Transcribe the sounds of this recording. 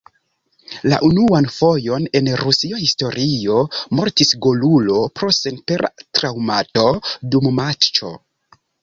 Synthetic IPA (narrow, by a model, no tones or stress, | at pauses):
la̰ʔunuanfo̞jo̞ne̞nɾusiahisto̞ɾio̞mo̞ɾtisɡolulo̞pɾo̞senpeɾatɾawmato̞dummat͡ʃo̞̰